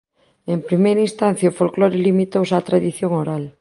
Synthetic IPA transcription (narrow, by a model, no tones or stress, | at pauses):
empɾimejɾɐĩnst̪an̟θjaofolkloɾɪlimit̪owsat̪ɾaðiθjoŋoɾal